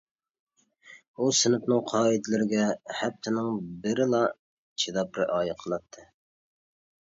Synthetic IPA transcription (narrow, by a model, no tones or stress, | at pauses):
usɪnɪpnɨŋqʰɑːid̪ɪlɪɾɪɡʲɛhɛp̚t̪ʰɪnɪŋbɪɾɪlˠɑ | t͡ʃʰid̪ɑpɾɪ̰ʔɑːjɨqʰəlˠɑt̪ʰːɨ